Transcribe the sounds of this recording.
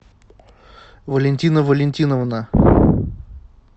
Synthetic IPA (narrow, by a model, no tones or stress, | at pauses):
vəlʲɪnʲtʲinəvəlʲɪnʲtʲinəvnə